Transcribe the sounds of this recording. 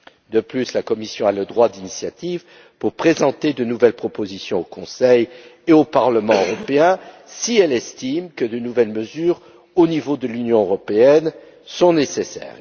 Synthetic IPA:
d̪əplyslakɔmisjɔ̃aləd̪ʁwad̪inisjat̪iv | puʁpχezɑ̃t̪ed̪ənuvɛlpχɔpozisjɔ̃okɔ̃sɛjeopaʁləmɑ̃øʁɔpeɛ̃ | siɛlɛst̪imkəd̪ənuvɛlməzyːʁ | onivod̪əlynjɔ̃øʁɔpeɛn | sɔ̃nesesɛ̰ːʁ

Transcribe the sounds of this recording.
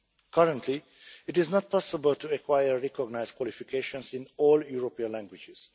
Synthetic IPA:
kʰʌɾə̃ntʰli | ɪtɪznɔt̪̚pʰɔsəbəltuɛkʰwajəːɛkɔɡnaɪz̥kwɔlifikʰeʃɔ̃nsɪ̃nɔːljuɾopĩə̃nlæ̃ŋɡwɪd͡ʒɪz̥

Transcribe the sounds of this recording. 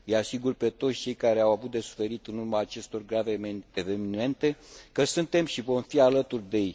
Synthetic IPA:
jeasiɡurpe̞t̪o̞t̪sʲt͡ʃe̞jkaɾe̞awavut̪̚d̪e̞su̥fe̞ɾit̪ɨnurmaːt͡ʃe̞st̪o̞rɡɾaveevenime̞nt̪e̞kəsɨnt̪e̞mʃivo̞mfialət̪urʲd̪e̞j

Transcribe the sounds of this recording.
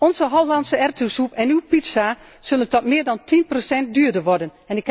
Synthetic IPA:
ɔnzəɦɔlˠlansəɛrtusupɛnywpitsa | søləntɔtmɪːɹdɑntʰinprosɛnt̚dyːdəʋɔrdən | ɛnɪk

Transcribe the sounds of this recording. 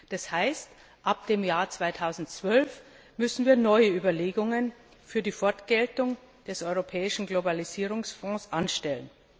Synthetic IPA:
d̥ashaɪst | ʔap̚d̥eːmjaːɐt͡sv̥aɪtʰaʊzn̩tt͡sv̥œlf | mʏsn̩viːɐnɔʏəyːbɐleːɡʊŋən | fyːɐdiːfɔɐtɡ̥ɛltʊŋ | d̥ɛsɔʏʁopʰɛːɪʃn̩ɡlobaliziːʁ̞ʊŋsfɔ̃ːsʔanʃtɛlən

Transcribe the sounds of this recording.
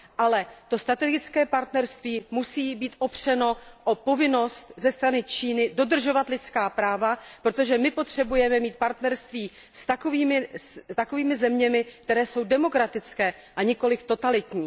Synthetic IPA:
ʔalɛt̪o̞st̪ɾat̪ɛɡɪt͡skɛːpaɾt̪nɛɾst̪viːmusiːbiːt̪ʔopr̝̥ɛno̞ʔopo̞vɪno̞st̪zɛst̪ɾanɪt͡ʃiːnɪdo̞dr̩ʒo̞vat̪lɪt͡skaːpɾaːvapɾo̞t̪o̞ʒɛmɪpo̞t̪r̝̥ɛbujɛmɛmiːt̪̚paɾt̪nɛɾst̪viː | st̪akoviːmɪst̪ako̞viːmɪzɛmɲɛmɪk̚t̪ɛɾɛːso̞wdɛmo̞kɾat̪ɪt͡skɛː | ʔaɲɪko̞lɪft̪o̞t̪alɪt̪ɲiː

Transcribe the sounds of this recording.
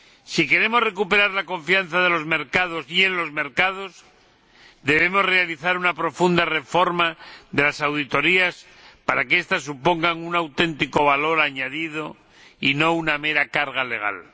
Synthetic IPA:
sike̞ɾe̞mo̞zre̞kupe̞ɾaɾlako̞ɱfian̟θaðe̞lo̞zme̞ɾkað̞o̞sie̞nlo̞zme̞ɾkað̞o̞s | d̪e̞βe̞mo̞zre̞aliθaɾunapɾo̞fund̪are̞fo̞ɾmaðe̞lasawðit̪o̞ɾias | paɾakeest̪asːupo̞ŋɡaŋunawt̪e̞nt̪iko̞βalo̞ɾaɲaðið̞o̞ | ino̞uname̞ɾakaɾɣale̞ɣ̞a̰l

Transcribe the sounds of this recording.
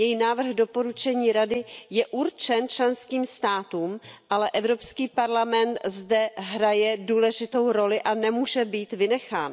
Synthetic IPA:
jɛjinaːvr̩ɣdo̞po̞ɾut͡ʃɛɲiːɾadɪjɛʔuɾt͡ʃɛnt͡ʃlɛnskiːmst̪aːt̪uːmʔalɛʔɛvɾo̞pskiːpaɾlamɛnt̪zdɛɦɾajɛduːlɛʒɪt̪o̞wɾo̞lɪʔanɛmuːʒɛbiːt̪vɪnɛxaːn

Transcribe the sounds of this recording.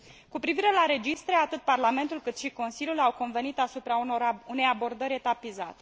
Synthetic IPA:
kupɾiviɾe̞laɾe̞d͡ʒist̪ɾe̞at̪ɨt̪̚parlame̞nt̪ulkɨt̪ʃiko̞nsiljulawko̞nve̞nit̪asupɾaune̞jabo̞rd̪əɾʲet̪apizat̪e

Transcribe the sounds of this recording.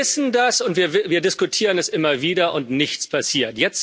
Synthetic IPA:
ɪsn̩dasʊntv̥iːɐvɪviːɐdɪskʊtʰiːʁ̞ənɛstʔɪmɐviːdɐʔʊntnɪçt͡spʰasiːɐtjɛt͡s

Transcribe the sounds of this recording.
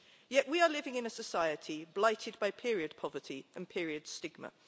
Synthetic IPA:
jɛʔwiəlɪvɪ̃ŋɪ̃nəsəsaɪətʰiblaɪtʰɪd̚baɪpʰɪɹiəd̚pʰɒvətʰiʔə̃npʰɪəɹiəd̥stɪɡ̚mə̰

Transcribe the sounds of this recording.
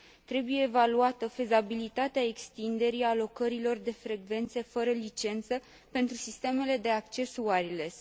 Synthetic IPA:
t̪ɾe̞buje̞ːvaluat̪əfe̞zabilit̪at̪eae̞kst̪ind̪e̞ɾialo̞kəɾilo̞rd̪e̞fɾe̞ɡve̞nt̪se̞fəɾəlit͡ʃe̞nt̪sə | pe̞nt̪ɾusist̪e̞me̞le̞d̪e̞akt͡ʃe̞suaɾile̞s

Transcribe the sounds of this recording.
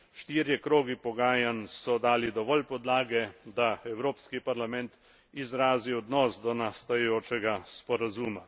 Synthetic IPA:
ʃt̪iːɾjɛkɾoːɡipɔɡaːjansɔd̪aːlid̪ɔʋɔlpɔd̪laːɡɛd̪aɛwɾoːpskipaɾlamɛnt̪ | izɾaːziɔd̪nɔːsd̪ɔnast̪ajɛjoːt͡ʃɛɡaspɔɾazuːma

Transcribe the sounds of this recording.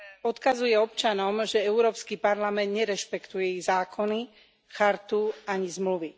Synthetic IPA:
ɔt̪kazujɛɔp̚t͡ʃanɔmʒɛɛʊɾɔːpskipaɾlamɛnd̪ɲɛɾɛʃpɛkt̪ujɛɛizaːkɔni | xaɾt̪uaɲizmluʋi

